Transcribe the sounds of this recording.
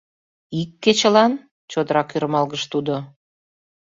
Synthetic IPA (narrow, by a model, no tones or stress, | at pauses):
ikːet͡ɕə̆lɑn | t͡ɕod̪əɾɑkyɾmɑlɣəʃt̪ud̪o